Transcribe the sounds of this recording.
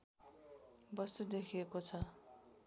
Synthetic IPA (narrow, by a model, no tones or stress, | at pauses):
bʌst̪ud̪ekʰiekot͡sʰʌ